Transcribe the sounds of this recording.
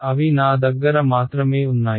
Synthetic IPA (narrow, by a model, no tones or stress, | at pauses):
ɐʋiːnaːd̪əɡəɾamaːt̪ɾəmẽːʊnːaː